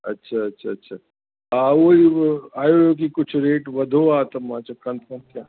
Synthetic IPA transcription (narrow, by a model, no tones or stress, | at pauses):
ɐ̰tːʃʰaɐtːʃʰaːtːʃʰa | aʋoːiaːjojok̬ikʊt͡ʃʰɾeːʈʋɐd̪ʱoaːt̪ɐmãːt͡ʃakɐ̃nt̪̚kɐ̃n̚kjaː